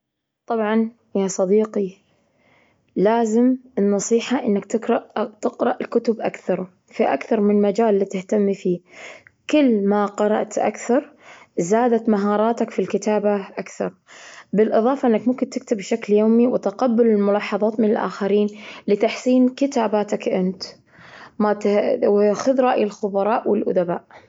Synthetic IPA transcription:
t̪ˤɑbʕɑn | jasˤɑd̪iːqi | laːzɪmɪnːɑsˤiːħaʔɪnːakt̪ɪɾt̪ɪqɾɑʔɪlkʊt̪ʊbʔakθɑɾˤ | fiʔa̰kθɑɾˤmɪnmad͡ʒaːlːiːt̪ɪht̪amːfiːkɪlːmaqɑɾˤɑ̰ʔt̪ʔa̰kθɑɾˤzaːd̪at̪maɦɑːɾˤɑːt̪akfilkɪt̪aːbaʔakθɑɾˤbɪlʔɨðˤɑːfɑʔɪnːakmʊmkɪnt̪ɪk̚t̪ɪbːʃakljoːmiwɪt̪ɪqabːɪlɪlmʊlɑːħɑðˤɑːt̪mɪnɪlʔa̰ːxaɾiːnlɪt̪aħsiːnkɪt̪aːbaːt̪akʔɪnt̪ | mat̪wxʊðɾˤɑːʔjɪlxʊbɑɾˤɑːʔwɪlʔʊ̰d̪abaːʔ

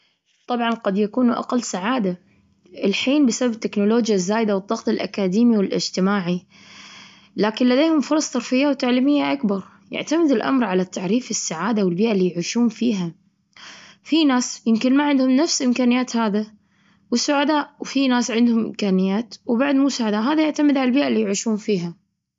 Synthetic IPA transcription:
t̪ˤɑbʕɑnqad̪jakuːnuʔa̰qalːsaʕaːd̪a | ʔɪlħiːnbɪsabab̚t̪ːɪknʊloːd͡ʒjazːaːjd̪awɨd̪ˤːɑɣt̪ˤɪlʔa̰kaːd̪iːmiwɪlʔɪ̰d͡ʒt̪ɪmaːʕi | laːkɪnlad̪eːhʊmfʊɾˤɑsˤt̪ɑɾˤfɪjːawt̪aʕliːmɪjːaʔakbɑɾˤ | jɪ̰ʕt̪amɪd̪ɪlʔa̰mɾʕalat̪ːaʕɾiːfɪsːaʕaːd̪awɪlbiːʔalːiːjʕuːʃuːnfiːɦa | finaːsjɪmkɪnmaʕɪnd̪hʊmnafsʔɪmkaːnɪjːaːt̪haːða | wɪsːʊʕad̪aːʔwfinaːsʕɪnd̪hʊmʔɪ̰mkaːnɪjːaːt̪wbaʕd̪muːsaʕad̪aːʔɦaːðajɪʕt̪amɪd̪ʕalalbiːʔalːijʕuːʃuːnfiːɦa

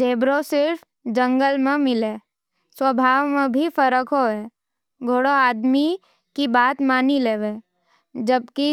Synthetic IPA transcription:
d͡ʒeːbɾosɪɾf | d͡ʒə̃ŋɡəlmẽmɪle | swəbʱaːʋmẽbʱifəɾəkɦoeː | ɡʱoːɽoaːd̪mi | kibaːt̪maːnileːʋe | d͡ʒəb̚ki

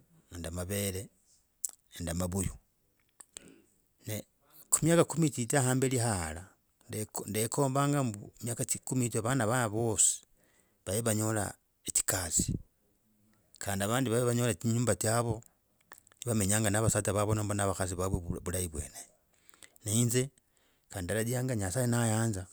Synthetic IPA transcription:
endamaβele | endamaβuju | ne | kumjakakumititahaːmbelihala | dndekʰo̞ːmbaːŋɡambumjakaikumitaβanaβanaβo̞si̥ | βajeβaɲo̞la̰ | eti̥kazi̥ | kʰaːndiaβaːndiβaβeβaɲo̞latiɲuːmbatjaβo̞ | niβame̞ɲaːŋɡanaβasataβaβonombonaβaxas̬iβaβweβulajiβwe̞̰ːne | neinze | kaːndialadiaːŋɡaɲasajenajaːnza

